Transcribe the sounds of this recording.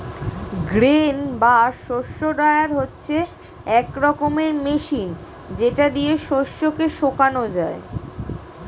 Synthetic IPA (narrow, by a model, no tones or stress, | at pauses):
ɡɾenbaʃoʃːoɖaeaɾɦotːɕʰe | ɛkɾɔkomeɾmeʃin | d͡ʑeʈad̪ijeʃoʃːokeʃokanod͡ʑae